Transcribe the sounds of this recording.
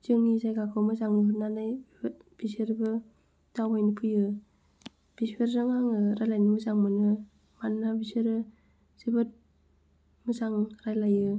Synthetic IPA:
d͡ʒɯŋisajɡakʰɔmɯzaŋnɯbɯnanaj | biseɾbɯ | dawbajnipʰɯjɯ | b̥iseɾzɯŋaŋɯɾajlajnɯmɯzaŋmɯnɯ | manːabiseɾɯ | sibɯt̚ | mɯzaŋɾajlajɯ

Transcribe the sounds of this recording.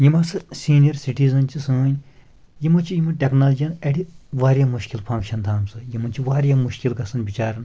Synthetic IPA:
jimɐsɨsiːnijɐɾsiʈiːzɐnt͡ʃʰisɐːnʲ | jimɐt͡ʃʰijimɨʈʲeknaːld͡ʒijɐnɐɽiʋaːɾʲjamuʃkilpʰɐ̃ŋkʃɐnt̪ʰaːmsɨjimɐnt͡ʃʰiʋaːɾjamuʃkilkɐsɐnbit͡ʃaːɾɐn

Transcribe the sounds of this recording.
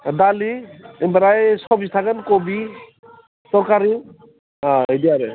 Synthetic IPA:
daliembaɾajsɔbist̪ʰakankobi | sɔɾkaɾi | aediaɾɛ

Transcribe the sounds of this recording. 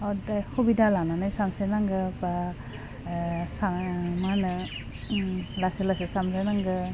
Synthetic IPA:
ɔdajhobidalananajsamsenaŋɡɯpa | samanɯ | laselasesamsanaŋɡɯ

